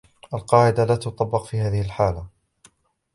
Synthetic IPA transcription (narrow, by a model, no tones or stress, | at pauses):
ʔalqɑːʕɪd̪alaːt̪ʊt̪ˤɑbːɑqfiːhaːðɪhɪlħaːla